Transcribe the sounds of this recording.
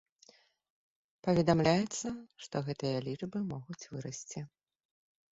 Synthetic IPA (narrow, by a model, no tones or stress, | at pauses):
pɐvʲɛd̪amlʲajɛt̪sːɐʂt̪ɔɣɛt̪ɨjɐlʲit͡ʂbɨmɔɣut͡sʲvɨɾɐsʲt͡sʲi